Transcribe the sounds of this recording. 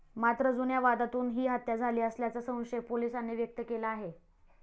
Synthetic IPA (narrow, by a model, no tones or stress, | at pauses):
mat̪ɾəd͡zunjaʋad̪at̪uːnɦiːɦat̪jad͡zʱaliːəsljat͡sasə̃w̃ɕeɡ̚polisanːeʋjək̚t̪əkelaːɦe